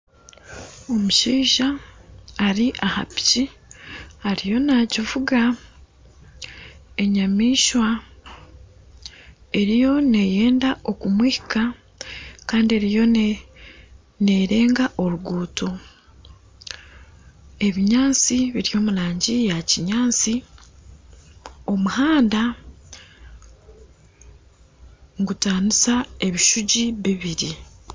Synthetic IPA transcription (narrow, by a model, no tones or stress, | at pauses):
o̞muʃiːʒaː | ɾiʔaha̰pi̥ci | haɾijo̞naːcivuɡa | e̞ɲamiːʃwa | e̞ɾijo̞ne̞jeːndao̞kumwiːhika | kaːndie̞ɾijo̞ne | ne̞ɾe̞ːŋɡaʔo̞ɾuɡuːtʰo̞ | e̞βiɲaːt͡siβiɾijo̞ːmuɾaːɲɟijaciɲaːt͡si | o̞muhaːnda | ŋɡutaːnisae̞βiʃuɟiβiβiɾi